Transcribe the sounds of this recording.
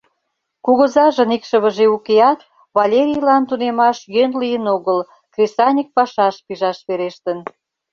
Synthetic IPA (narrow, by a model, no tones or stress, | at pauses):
kuɣə̆zɑʒə̆nikʃəβə̆ʒeukeɑt̪ | βɑlʲeɾʲijlɑnt̪unemɑʃjønlijənoɣəl | krʲesɑnʲik̚pɑʃɑʃpiʒɑʃβeɾeʃt̪ən